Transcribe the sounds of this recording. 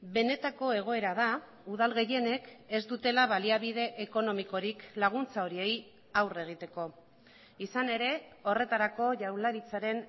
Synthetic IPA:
be̞ne̞t̪ako̞e̞ɣ̞o̞e̞ɾaða | uð̞alɣe̞je̞ne̞ke̞zd̪ut̪e̞laβaliaβ̞ið̞e̞ʔeko̞no̞miko̞ɾiklaɣ̞unt͡sao̞ɾie̞j | awre̞ɣ̞it̪e̞ko̞ | isane̞ɾe̞o̞re̞t̪aɾako̞ʝawlaɾit͡saɾe̞n

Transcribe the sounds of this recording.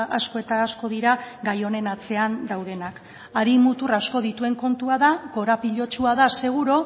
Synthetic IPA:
ʔasko̞e̞t̪aːsko̞ðiɾaɡajo̞ne̞nat͡se̞and̪awð̞e̞nak | aɾimut̪urasko̞ð̞it̪ue̞ŋko̞nt̪uaðako̞ɾapiʎo̞t͡ʃuaðase̞ɣ̞uɾo̞

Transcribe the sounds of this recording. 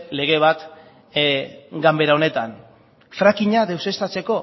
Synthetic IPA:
le̞ɣ̞e̞β̞at̪ | ɡambe̞ɾao̞ne̞t̪an | fɾakiɲaðe̞wse̞st̪at͡se̞ko̞

